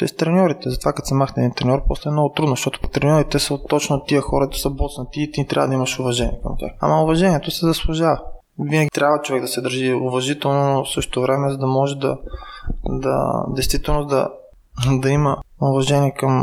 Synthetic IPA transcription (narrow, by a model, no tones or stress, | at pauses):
t͡ʃɛ̰st̪ɾɛnʲɔɾit̪ɛzɐt̪ovakɐt̪sɛmaxt̪ɛd̪int̪ɾɛnʲɔɾpɔslɛːmnɔɡʊt̪ɾud̪noʃt̪ɔt̪ʊ̥pt̪ɾɛnʲɔɾit̪ɛsət̪ɔt͡ʃnot̪iəxɔɾɐt̪ə̥sɐbɔt̪snɐt̪iːt̪it̪ɾʲavɐd̪ɐimɐʃʊvɐʒɛnḭɛkɐ̰mt̪a̰a̰mɐʊvɐʒɛniɛt̪osɛzɐslˠʊʒavɐ | vinɐɡʲit̪ɾʲabvɐt͡ʃovɛɡ̚d̪ɐsɛd̪əɾʒiʊvɐʒit̪ɛlˠnosɤʃt̪ovɾɛmɛzɐd̪ɐmɔʒɛd̪ɐ̰ | d̪ɐ̰d̪ɛjst̪vit̪ɛlˠnod̪ɐ̰ | d̪ɐimɐʊvɐʒɛniɛkɐm